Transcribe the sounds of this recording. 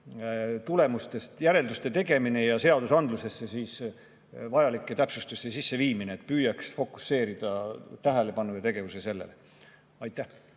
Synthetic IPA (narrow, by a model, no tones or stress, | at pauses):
t̪ule̞must̪e̞st̪jæɾe̞ld̪ust̪e̞t̪e̞ɡ̥e̞mine̞jɑse̞ɑd̪usɑnd̪luse̞sːe̞siːs | vɑjɑlikˑːe̞t̪æpsust̪ust̪ːesisːe̞viːmineːt̪̚pyːjɑksfo̞kːˑu̥sːe̞ːɾid̪̥ɑt̪æɦæle̞pɑnːujɑt̪e̞ɡ̥e̞vusese̞lːele | ɑjt̪ːˑæh